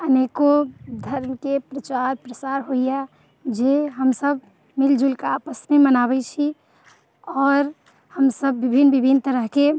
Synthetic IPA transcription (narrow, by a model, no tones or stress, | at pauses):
ənekod̪ʱəɾmkepɾət͡ʃaɾpɾəsaɾɦoija | d͡ʒeɦəmsəb̚ʱ | mild͡ʒulkaːpəsnemənaβɛt͡ʃʰi | ɔːɾ | həmsəbːibʱinːbibʱint̪əɾəɦke